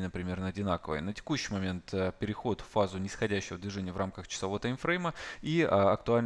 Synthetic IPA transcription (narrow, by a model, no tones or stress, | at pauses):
ɪnəpɾʲɪmʲe̞rnəɐdʲɪnakəvə̰jənətʲɪ̥kuɕːɪjmɐmʲe̞nt̪ːpʲɪɾʲɪxo̞t̪fːazʊnʲɪsxɐdʲæɕːɪvəd̪vʲɪʐɛnʲɪjəvramkəxt͡ɕɪ̥sɐvoət̪ajmfɾejməiɐk̚t̪ʊalʲ